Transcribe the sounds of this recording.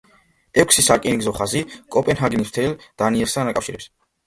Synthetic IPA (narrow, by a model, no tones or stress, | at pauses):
ɛkʷʰsisakʼiniɡzɔχazikʼɔpʼɛnɦaɡinist̪ʰɛld̪̥aniɛɾst̪ʰanakʼafʃiɾɛps